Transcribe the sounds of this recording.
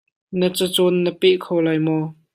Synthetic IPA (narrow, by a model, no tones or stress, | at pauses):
nət͡sət͡sɔnːəpɛʔkʰowlajmɔ